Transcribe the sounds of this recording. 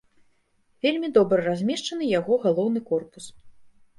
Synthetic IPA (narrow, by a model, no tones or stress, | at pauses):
vʲelʲmʲid̪ɔbɾɐɾazʲmʲɛʂt͡ʂɐnɨjaɣɔɣalˠɔwnɨkɔrpu̥s